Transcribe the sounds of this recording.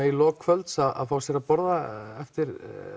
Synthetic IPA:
ilɔːkʰfœlt̪saða̰ðfaːwsjɛɾapɔɾðaɛft̪ɪɾ

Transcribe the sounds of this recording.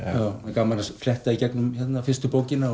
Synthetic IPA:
jawɛkaːmːanasflɛht̪aicɛknʏmçɛt̪nafɪrst̪ʏpowcɪna

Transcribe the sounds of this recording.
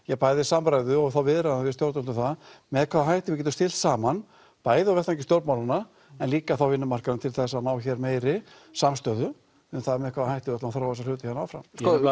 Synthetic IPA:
jɛɣpajðɪsampɾajðʏɔɣθawvɪːðɾaðavɪst̪jowɾt̪ʏmn̥t̪ʏθaðmɛðkʰvaðaɦajht̪ɪvɪcɛːt̪ʏmst̪ɪl̥t̪saːman | paːjðɪawvɛht̪ẽcɪst̪jowɾp̪mawlana | ɛnliːkaθawvɪnːʏmar̥kanʏmt̪ʰɪlθɛsːanaːwçɛɾmeːjɾɪ | samst̪œːðʏ | ʏmθaðmɛðkʰvaðahajht̪ɪvɛt̪aaθɾawθɛs̬alʏːt̪ɪçanːawfɾa̰m

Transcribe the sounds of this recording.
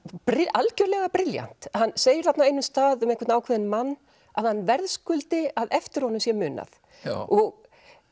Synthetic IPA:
pɾɪʔalcœɾlɛɣapɾɪlja̰n̥t̪hanːseːjɪɾ̥θap̪naejnʏst̪aːðʏmeŋkʰvɪt̪naːwkʰvɛðɪnmanː | a̰ðhanːvɛɾðskʏlt̪ɪaðɛft̪ɪɾ̥hɔnʏmsjɛmʏːna̰θ | ɔɣ

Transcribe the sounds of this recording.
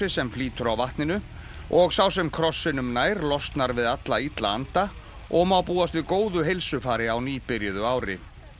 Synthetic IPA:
ɪsɛmfliːt̪ʏɾawvaht̪nɪnʏ | ɔɣsaws̬ɛmkʰɾɔsːɪnʏmnaːjɾlɔst̪naɾvɪðat̪lait̪la̰ant̪a | ʔɔɣmawpuːast̪vɪðkoːwðʏɦejlsʏfaːɾɪawniːpɪɾjʏðʏaːwɾɪ̰

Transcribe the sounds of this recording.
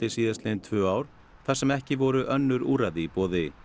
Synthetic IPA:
ɪsiːðaslent̪ʰvœːaːwɾ̥ | θḁsɛmɛhcɪvɔɾʏʔœnːʏɾṵːɾaðipɔːðɪ

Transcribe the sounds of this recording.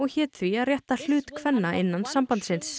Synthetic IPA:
ɔɣçɛːt̪θviaðrjɛht̪al̥ʏːt̪kʰvɛnːaʔɪnːansampant̪sɪns

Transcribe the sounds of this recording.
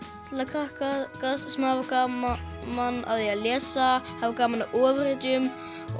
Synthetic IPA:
t̪lakʰahkakasːɛmhavakamanːa̰ðɛjalɛːsahavakaːmanaʔɔːvɾɛːt̪ʏm

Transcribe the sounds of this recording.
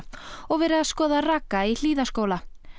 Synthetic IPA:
ɔɣvɛːɾɪaðskɔːðaraːkːail̥iːðaskowla

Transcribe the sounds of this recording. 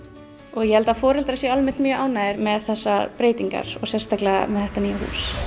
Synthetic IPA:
ɔɣjɛhɛlt̪afɔːɾɛlt̪ɾasjɛalmɛnt̪mjœʔaːwnaːɪɾmɛðθɛsːapɾeːjt̪iŋka̰ɾ̥ɔ̰ɣsjɛst̪aklɛɣa̰mɛðθɛht̪aniːjahṵːs

